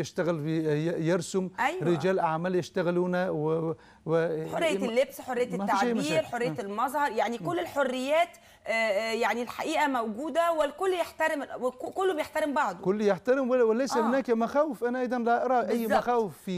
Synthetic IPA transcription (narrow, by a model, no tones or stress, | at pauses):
jɪʃt̪æɣɪlijɑɾsʊmʔæjɾɪd͡ʒæːlʔaʕmæːljɪʃt̪æɣɪluːnæw | wɪħorːejːlːebsħorˤːejat̪tmæfːaʃajmæiːɾħorːejalmɑzˤhɑɾˤjaʕnikʊlːɪlħorːɪjːæːt̪ː | jaʕnilħaʔiːʔæmæwɡuːd̪æwɪlkʊlːjeħt̪æɾɪmwkʊlːobjeħt̪æɾɪmbɑʕd̪ˤokʊlːjeħt̪æɾɪmwwɪlæjsæhʊnæːkmaxæːwɪfʔænæʔɑjd̪ˤɑnlæʔɑɾˤɑːʔæjːmaxæːwɪffiː